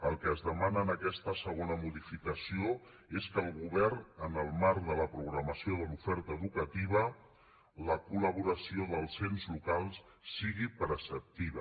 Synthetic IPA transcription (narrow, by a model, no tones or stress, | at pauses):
əlˠkəːzðəmanəːnəkɛst̪əsəɣonəmuðifikəsio | eskəlˠɣuβɛrnənəlˠmaɾkðələpɾuɣɾəməsioðəlufɛɾt̪əːðukət̪iβ̞ə | ləkuləβ̞uɾəsioðəlˠsenzlukalˠs | siɣipəɾəsəp̚t̪iβ̞ə